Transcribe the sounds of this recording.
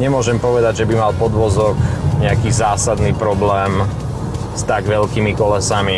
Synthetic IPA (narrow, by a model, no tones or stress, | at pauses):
ɲɛmʊɔʒɛmpɔʋɛd̪aɟʒɛbimalpɔd̪ʋɔzɔkɲɛakiːzaːsad̪niːpɾɔblɛːm | st̪aɡʋɛlkiːmikɔlɛsami